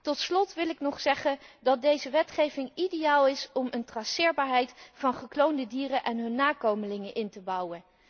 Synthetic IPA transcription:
tɔtslɔtʋɪlɪknɔχsɛχəndɑt̚dejzəʋɛtχejvɪŋidejaːlˠɪsɔməntrɑsɪːɹbaːɹɦɛjtfɑnχəklowndədiːrənʔɛnɦɵnːaːkowməlɪŋənʔɪntəbʌwən

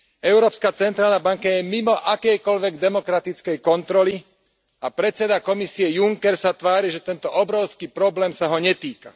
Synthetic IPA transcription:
ɛʊɾɔːpskaːt͡sɛnt̪ɾaːlnabaŋkajɛmimɔʔakɛjkɔʎʋɛɡd̪ɛmɔkɾat̪it͡skɛjkɔnt̪ɾɔli | apɾɛt͡sɛd̪akɔmisiɛjuŋkɛɾsat̪ʋaːɾiʒɛt̪ɛnt̪ɔʔɔbɾɔʊskipɾɔblɛːmsaɦɔɲɛt̪iːka

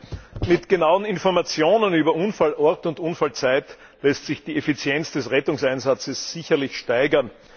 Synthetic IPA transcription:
mɪtɡ̥enaʊənɪnfɔɐmat͡sjoːnənyːbɐʔunfalʔɔɐtʊntunfalt͡sæɪt | lɛstsɪçd̥iːefit͡sjɛnt͡sd̥ɛsʁɛtʊŋsaɪnzat͡səsːɪçɐlɪçʃtæɪɡɐn

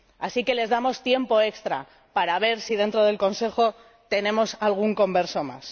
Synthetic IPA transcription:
asike̞le̞zðamo̞st̪je̞mpo̞e̞kst̪ɾa̰ | paɾaβ̞e̞ɾsiðe̞nt̪ɾo̞ð̞e̞lko̞nse̞xo̞ | t̪e̞nẽ̞mo̞salɣ̞uŋko̞mbe̞ɾso̞ma̰s

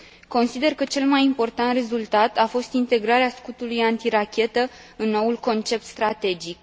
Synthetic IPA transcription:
ko̞nsid̪e̞rkət͡ʃe̞lmajimpo̞rt̪ant̪re̞zult̪at̪afo̞st̪int̪e̞ɡɾaɾeaskut̪ulujant̪iɾakʲe̞t̪ə | ɨnːo̞ulko̞nt͡ʃe̞p̚t̪st̪ɾat̪e̞d͡ʒik̚

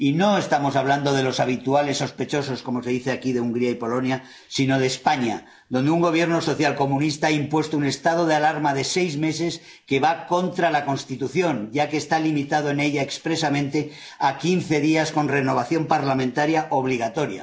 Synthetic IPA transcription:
ino̞e̞st̪amo̞saβ̞land̪o̞ð̞e̞lo̞saβ̞it̪uale̞sːo̞spe̞t͡ʃo̞so̞sko̞mo̞se̞ðiθeakiðeuŋɡɾiaipo̞lo̞nja | sino̞ð̞e̞ːspaɲa | ðo̞nd̪euŋɡo̞β̞je̞ɾno̞so̞θjalko̞mũnist̪aaimpwe̞st̪oune̞st̪aðo̞ð̞ealaɾmaðe̞se̞jzme̞s̬e̞s | ke̞βako̞nt̪ɾalako̞nst̪it̪uθjo̞nɟ͡ʝakeːst̪alimit̪að̞oene̞ʎaekspɾe̞samẽ̞nt̪e̞ | akinθe̞ðiasko̞nreno̞β̞aθjo̞mpaɾlamẽnt̪aɾjaʔoβ̞liɣ̞at̪o̞ɾja̰

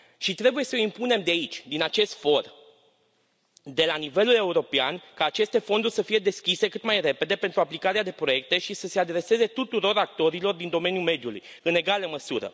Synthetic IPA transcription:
ʃit̪ɾe̞buje̞səimpune̞md̪eait͡ʃʲd̪inat͡ʃe̞st̪fo̞r | d̪e̞lanive̞lule̞uɾo̞pea̰nkaːt͡ʃe̞st̪e̞fo̞nd̪urʲsəfije̞d̪e̞skʲise̞kɨt̪majre̞pe̞d̪e̞pent̪ɾuaplikaɾead̪e̞pɾo̞je̞k̚t̪e̞ʃisəse̞ad̪ɾe̞se̞ze̞t̪ut̪uɾo̞ɾak̚t̪o̞ɾilo̞rd̪ind̪o̞me̞njume̞d̪julṵj | ɨne̞ɡaləməsuɾə̰

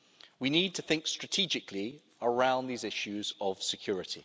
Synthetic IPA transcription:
winiːd̚tʰəθɪ̃ŋkstɹ̥ətʰiːd͡ʒɪkʰli | əɹãʊ̃nðiːzɪʃʉzəv̥sɪkʰj̥ɔːɹɪtʰḭ

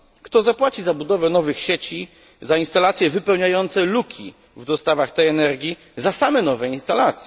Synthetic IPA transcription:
kt̪ɔzapwat͡ɕizabud̪ɔvɛnɔvɘxɕet͡ɕi | zainst̪alat̪sʲjɛvɘpɛwɲajɔnt̪sɛlukʲʰḭ | vd̪ɔst̪avaxt̪ɛjɛnɛɾɡʲi | zasamɛnɔvɛinst̪alat̪sʲɛ

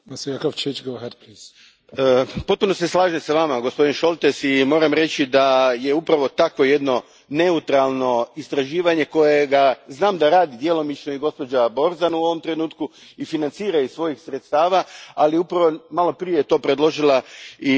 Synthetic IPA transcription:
masikakavt͡ʃet͡ʃɡoɦɛd̪pliːz̥ | po̞t̪̚puno̞seslˠaːʒemsaʋamaɡo̞spo̞d̪inʃo̞lˠt̪e̞simo̞ːɾamɾe̞t͡ʃid̪aje̞upɾaʋo̞t̪akʋo̞je̞d̪no̞ | ne̞ut̪ɾalˠno̞ist̪ɾaʒiːʋaɲe̞ko̞je̞ɡaznaːmd̪aɾaːd̪id̪je̞lˠo̞mit͡ʃnoiɡo̞spo̞d͡ʒabo̞ɾzanuo̞ʋo̞mt̪ɾe̞nuːt̪ku | ifinant̪siːɾaisʋo̞jixsɾet̪st̪aːʋaaliupɾaʋomalˠo̞pɾije̞jt̪o̞ːpɾed̪lˠo̞ʒilˠai

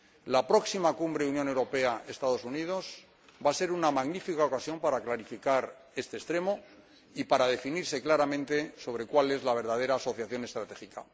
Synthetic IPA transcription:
lapɾo̞ksimakumbɾeunjone̞wɾo̞pe̞ae̞st̪aðo̞sunið̞o̞s | base̞ɾunamaɣnifikaokasjo̞mpaɾaklaɾifikaɾ | e̞st̪est̪ɾe̞mo̞ | ipaɾað̞e̞finiɾse̞klaɾamẽ̞nt̪e̞so̞β̞ɾe̞kwale̞zlaβ̞e̞ɾðað̞e̞ɾaːso̞θjaθjo̞ne̞st̪ɾat̪e̞xika̰

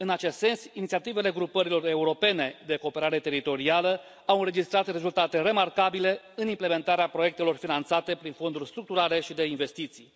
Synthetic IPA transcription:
ɨnat͡ʃe̞st̪se̞nsinit̪siat̪ive̞le̞ɡɾupəɾilo̞re̞uɾo̞pe̞ne̞d̪e̞ko̞ːpe̞ɾaɾe̞t̪e̞ɾit̪o̞ɾialə | awɨnɾed͡ʒist̪ɾat̪re̞zult̪at̪e̞ɾe̞markabile̞ | ɨnimple̞me̞nt̪aɾeapɾo̞je̞k̚t̪e̞lo̞rfinant̪sat̪e̞pɾinfo̞nd̪urʲst̪ɾuk̚t̪uɾale̞ʃid̪e̞inve̞st̪it̪sij

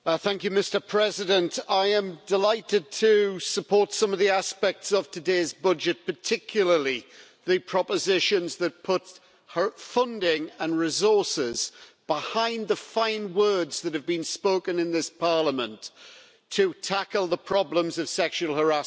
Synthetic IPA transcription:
θæ̃ŋkjɨmɪstə˞pʰɹ̥ɛzɪdə̃ntaɪə̃mdɪlaɪtɪd̚tʰəsəpʰɔɹˑtsʌ̃mʌvðiaspɛk̚tsəv̥tʰɨdeɪzbʌd͡ʒɨt̚pʰətʰɪkʰjl̩ˠəli | ðɨpʰɹ̥ɒpəzɪʃə̃nzðət̚pʰʊt | həfʌ̃ndɪ̃ŋə̃nɹɪzɔɹsɪz̥b̥ɪhãɪ̃nðəfãɪ̃nwɜːdz̥ðət̚hɨvbĩnspoʊkə̃nɪ̃nðɪspʰɑɹləmə̃ntʰ | ətʰakəlˠðəpʰɹ̥ɒblə̃mzəv̥sɛkʃuəlˠhə˞a

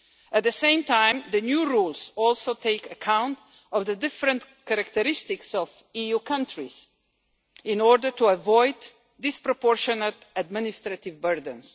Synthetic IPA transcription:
æt̪̚d̪əsẽɪ̃mtʰãɪ̃md̪ənjuɹulsɔlˠsoʊt̪ʰeɪkəkʰãw̃nt | ɔvðəd̪ɪfɾə̃ntkaɾakt̪əɾɪst̪ɪksɔv | ijukʰʌ̃ntɹiz̥ | ɪ̃nɔɹdə˞tuəvɔɪd̪ː | ɪspɾɔpɔɹʃɔnət̪ad̪̚mɪnɪst̪ɾat̪ɪvbəɹd̪ə̃ns

